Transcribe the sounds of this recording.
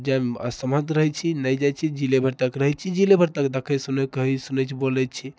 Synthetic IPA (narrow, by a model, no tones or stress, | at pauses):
d͡ʒamə̰səmə̃t̪ɾəɦɛt͡ʃʰinəjd͡ʒajt͡ʃʰid͡ʒilebʱəɾt̪əkɾəɦɛt͡ʃʰid͡ʒilebʱəɾt̪əkd̪əkʰəjsunəkəɦisunət͡ʃʰibolɛt͡ʃʰi